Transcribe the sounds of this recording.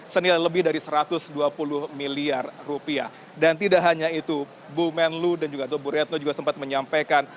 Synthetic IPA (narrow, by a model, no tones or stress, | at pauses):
sənilajləbɪhdaɾisəɾat̪ʊsduapulʊhmiliarrupiah | dant̪idaʔɦaɲait̪u | bumɛnludand͡ʒuɡat̪obuɾɛt̪̚nod͡ʒuɡasəmpat̪̚məɲampajkan